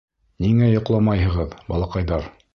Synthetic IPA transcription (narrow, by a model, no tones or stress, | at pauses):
niŋæjŏqlˠɑmɑjɦɤ̆ʁɤðbɑ̰lˠɑqɑjðɑɾ